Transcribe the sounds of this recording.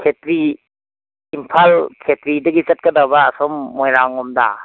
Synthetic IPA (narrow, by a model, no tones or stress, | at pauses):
kʰetɾi | mpʰalkʰetɾidɐɡit͡ʃat̚kɐdawbaːsɔmːɔjɾaŋːɔmda̰